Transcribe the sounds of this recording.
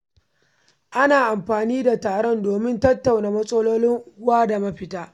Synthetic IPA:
ʔa˦naː˨ʔa˨mɸaː˨niː˦da˨taː˨ɽɔ˦ndoː˨mɪ˦ntɐ˦tːa˨wnaː˨mɐ˦sʼɐ˦loː˦lɪ˦ŋʔʊ˦waː˦da˨mɐ˦ɸɪ˦taː˦

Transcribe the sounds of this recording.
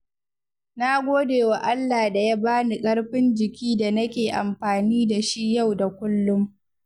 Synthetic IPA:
na˦ɡʷoː˦deː˨wa˨ʔa˦lːaː˨da˨ja˦baː˦ni˨kʼɐ˦ɽɸɪ˦nd͡ʒɪ˨kʲiː˦da˨nɐ˦kʲeː˨ʔa˨mɸaː˨niː˦da˨ʃi˦ja˦˨wda˨kʷʊ˦lːʊ˦m

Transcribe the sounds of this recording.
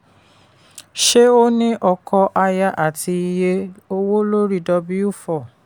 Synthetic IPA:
ʃe˦o˦nĩ˦ʔɔ˧kʰɔ˧ʔa˧ja˧ʔa˦˨ti˧i˧je˦o˦wo˦lo˦ɾi˦˨dɔ˧bi˦u˦fɔ˨

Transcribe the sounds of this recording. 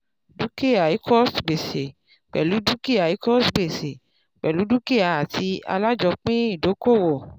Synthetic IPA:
du˦ke˦a˨i˨˦kʰɔ˦stɡ͡be˨se˨ | k͡pɛ̰˨lu˨˦du˦ki˦a˨i˦kɔ˦sɡ͡be˨se˨ | ɡ͡bɛ˨lu˨˦du˦ke˦˨a˨˧a˨ti˧a̰˧la˦d͡ʒɔ˧k͡pĩ˦i˦˨do˨˦ko˦˨wo˨

